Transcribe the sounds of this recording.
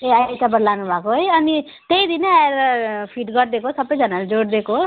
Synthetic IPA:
eatabʌɽlanubʱakoɦʌjʌni | t̪eid̪ineaeɾpʰiʈɡʌɾd̪ekʰosʌbʌjd͡zʌnald͡zoɽd̪ekʰo

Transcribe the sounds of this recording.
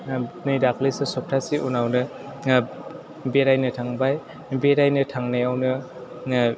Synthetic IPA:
nɯjɾakʰlisɯsɔp̚tʰasiʔunawnɯ | beɾajnɯtʰaŋbaj | beɾajnɯtʰaŋnajawnɯ

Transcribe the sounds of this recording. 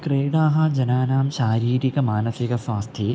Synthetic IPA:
kɾeːɽaːɦɐ̆d͡ʒɐnaːnaːmʃaːɾiːɾikɐmaːnɐsikɐswaːst̪ʰi

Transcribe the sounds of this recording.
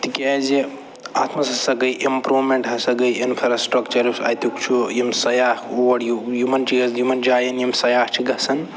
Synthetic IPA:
t̪ikʲɛzi | a̰ːt̪ʰmɐsɐsɐɡɐjʔimpɾuʋmeɳʈɦɐsɐɡɐjinpʰɐɾasʈɾɐkt͡ʃɐɾisɐ̰jt̪ukt͡ʃʰujimsɐjaːhoʋɐɽjujumɐnt͡ʃiɐzjumɐnd͡ʒaːjɐnjimsɐjaːht͡ʃʰiɡɐsɐn

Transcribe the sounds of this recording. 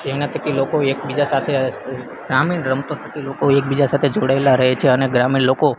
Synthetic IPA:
d͡ʒeʋnak̪əkilokoek̚bid͡ʒasat̪ʰe | ɡɾamiɳɾəmt̪õt̪ʰək̪ilokoek̚bid͡ʒasat̪ʰed͡ʒoɽaelaɾəɦet͡ʃʰeəneɡɾamiɳloko

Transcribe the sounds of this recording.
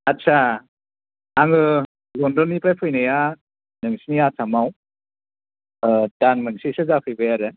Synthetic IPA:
atːt͡ʃʰa | ŋɯ | lɔndɔnipɾajpʰɯjnaja | nɯŋsinijasʰamaw | tanmɯŋsisɯzapʰɯjbɯjaɾɯ

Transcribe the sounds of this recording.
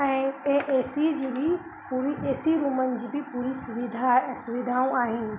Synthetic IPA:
eʔeːsid͡ʒibʱi | puɾieːsiɾumənd͡ʒibʱipuːɾisʊʋid̪ʱasʊʋid̪ʱaːõaːɦĩn

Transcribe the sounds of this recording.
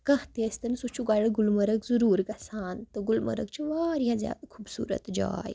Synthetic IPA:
kãɦt̪est̪ənsut͡ɕuɡaɽəɡulməɾəɡd͡zuɾuːɾɡasaːnt̪əɡulmə̰ɾə̰ɡt͡ɕiʋaɾjãd͡zja̰kʰuːbsṵːɾə̰t̪d͡ʑa̰j

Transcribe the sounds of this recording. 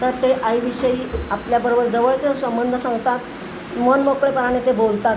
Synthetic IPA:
t̪əɾt̪eʔajiʋiɕəiːapljabəɾobəɾd͡zəʋəɭt͡sesəmbənd̪ʱəsãŋɡt̪at̪ | monmokɭepəɾaɽ̃et̪ebolt̪at̪

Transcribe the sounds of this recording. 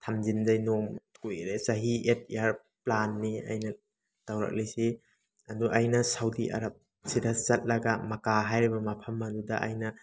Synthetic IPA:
tʰamd͡ʒindajnomkujɾesaɦiet̚jaɾ | planːia̰jnɐ | tawɾa̰k̚lisi | ɐduʔajnɐsawdiʔa̰ɾɐp̚ | siɾat͡ʃɐt̚lɐɡamɐkaɦajɾibɐmɐpʰɐmːɐdudɐʔa̰jnɐ

